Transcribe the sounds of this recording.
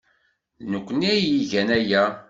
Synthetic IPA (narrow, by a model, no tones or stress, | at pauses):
nəkʷːnijiʝænæjæ